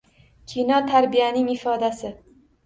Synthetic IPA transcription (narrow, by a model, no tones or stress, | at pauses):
kʲʰinɒt̪ʰaɾbijanɪŋɪfɒd̪asɪ